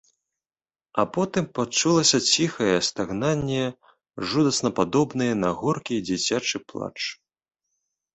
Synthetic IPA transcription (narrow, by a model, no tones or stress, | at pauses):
ɐpɔt̪ɨmpat͡ʂulˠɐsʲɐt͡sʲixɐjɛst̪aɣnanʲːɛ | ʐud̪ɐsnɐpad̪ɔbnɨjɛnɐɣɔrkʲid͡zʲit͡sʲat͡ʂɨplˠa̰t͡ʂ